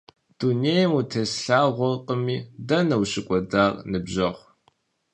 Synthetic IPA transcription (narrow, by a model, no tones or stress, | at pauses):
d̥unejmutʰesɬaːʁʷɔrqʼəmiːdɐnɐwɕɪkʷʼɔdaːrnɨbʑɐʁʷ